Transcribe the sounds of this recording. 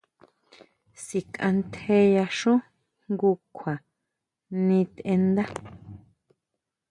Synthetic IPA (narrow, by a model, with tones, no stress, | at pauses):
si˨kã̰˧nt̪e˧ja˧ʃũ˦ | ŋɡu˧kʷʰa˨ | nĩ˧t̪e˧nd̪a˦